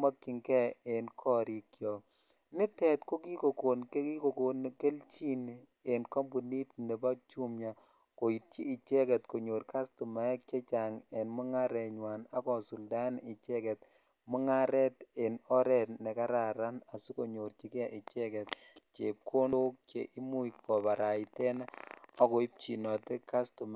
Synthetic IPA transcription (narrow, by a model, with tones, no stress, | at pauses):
ma˦kːi˨ŋkɛ˦e˨nkʰɔ˦ɾi˨kjɔ˨ | nɪ˦tɛ˨tko˦ki˦ko˨ko˨nke˦ki˦ko˨ko˨n˨ke˦lt͡ʃi˦n | e˨nkɔ˦mbu˨ni˦tne˨ba˦t͡ʃu˦mɲa˨ | ko˨i˨t̚t͡ʃiː˦˨t͡ʃɛ˦kɛ˨tko˨ɲo˨ɾka˦stu˨ma˨ɛ˦kt͡ʃe˦t͡ʃa˨ŋe˨nmʊ˦ŋa˦ɾɛ˨ɲwana˦kɔ˨su˨lda˦ni˨t͡ʃɛ˦kɛ˨t̚ | mu˦ŋa˦ɾɛ˦te˨nɔ˦ɾɛ˨tne˨ka˦ɾa˨ɾa˦na˨su˦ko˨ɲo˨ɾt͡ʃi˦ke˦a˨ʔi˨t͡ʃɛ˦kɛ˨t̚t͡ʃe˨p̚kʰo˦no˦k̚t͡ʃḛ˨ʔi˦mu˦ikʰːɔ˨ba˨ɾa˨itɛ˦naa˦ko˨i˦p̚t͡ʃi˨nɔ˨te˦ka˦stu˨m